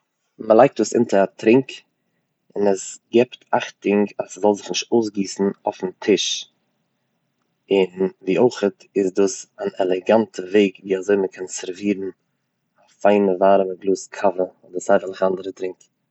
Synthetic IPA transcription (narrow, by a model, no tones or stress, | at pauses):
məlˠaɪk̚tuːsɪ̰ntəatɾɪŋk | ɪnəsɡɛptʰaχtɪŋɡasəzɔlˠzɪχnɪʃtoʊs̬ɡiːsn̩ɔfn̩tʰɪʃ | ɪnviːʔoɪχətɪsduːsanɛlˠɛɡantʰəveɪkviːazoɪməkʰɛnsɛɾviːɾn̩ | afaɪnəvaːɾəməɡlˠuːskʰavəɔdəsaɪvəlˠɪχandəɾətɾɪŋk